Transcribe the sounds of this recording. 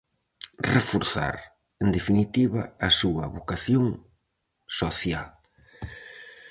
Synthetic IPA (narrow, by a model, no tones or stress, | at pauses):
refoɾθa̰ɾ | end̪efinit̪iβɐ̰ːsuɐ̰βokaθjoŋ | soθjal